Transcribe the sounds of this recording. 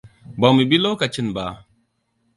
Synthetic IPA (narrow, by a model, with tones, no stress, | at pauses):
ba˨mi˨bi˦lo˦ka˨t͡ʃi˦nba˨